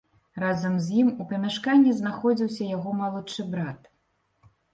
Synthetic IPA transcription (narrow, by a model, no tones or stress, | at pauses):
razɐmzʲjimupɐmʲaʂkanʲːiznaxɔd͡zʲiwsʲɐjaɣɔmɐlˠut͡ʂɨbɾat̪